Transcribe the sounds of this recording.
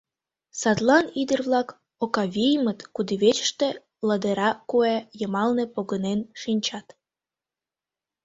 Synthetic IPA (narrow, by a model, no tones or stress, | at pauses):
sɑt̪lɑnid̪ərβlɑk | okɑβʲijəmət̪kud̪iβet͡ɕə̥ʃt̪e | ləd̪eɾɑkuejəmɑlnepoɣənenʃinʲt͡ɕɑt̪